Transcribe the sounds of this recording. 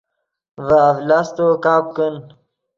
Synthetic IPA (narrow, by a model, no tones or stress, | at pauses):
vaːvlast̪okaːp̚kən